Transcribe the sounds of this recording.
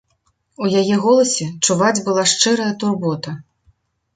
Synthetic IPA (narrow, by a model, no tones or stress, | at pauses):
ujajɛɣɔlˠɐsʲɛt͡ʂuvad͡zʲbɨlˠaʂt͡ʂɨɾɐjɐt̪urbɔt̪ɐ